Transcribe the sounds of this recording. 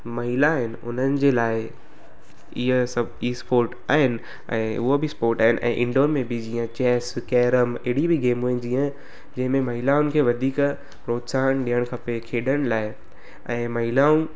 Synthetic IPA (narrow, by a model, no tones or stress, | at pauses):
mɐɦɪlaɦɪnɪ̆ʊnənɪ̆d͡ʑeːlaːɪ | iɦəsɐbispoːɾʈaːɦɪnɪ̆ | ɛ̰̃ːʊɦobispoːɾʈaːɦɪnʔɛ̰̃ːʔɪ̃ɳɖoːɾmẽbɪd͡ʑiːə̃t͡ɕɛːskɛːɾəmeɽibiɡeːmɦuːɪnd͡ʑiːə̃ | d͡ʑɐ̃ɦɪ̃mẽmɐɦɪlaʊnkʰeːʋɐd̪ʱiːk | pɾoːt̪saːñɗiəɽ̃kʰɐpekʰeːɗəɽ̃ɪ̆laːɪ | ɛ̃ːmɐɦɪlaːũ